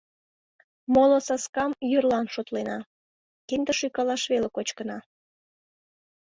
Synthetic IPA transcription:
molosɑskɑmjyrlɑnʃot̪lenɑ | kend̪əʃykɑlɑʃβelekot͡ɕkənɑ

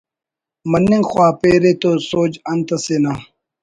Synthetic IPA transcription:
mɐnːiŋɡxwaːpeːɾet̪osoːd͡ʑɐnt̪ɐsena

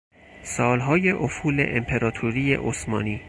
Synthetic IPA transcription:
sɒːlɦɒːje̞ʔofuːlḛʔempʰeɾɒːt̪ʰuɾiːjḛʔosmɒːniː

